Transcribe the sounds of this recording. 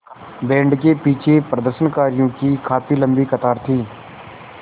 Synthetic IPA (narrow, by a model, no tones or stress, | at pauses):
bɛ̃ːɳɖkeːpiːt͡ʃʰeːpɾəd̪əɾʃənkaːɾijõːkiːkʰaːpiːləmbiːkət̪aːɾt̪ʰiː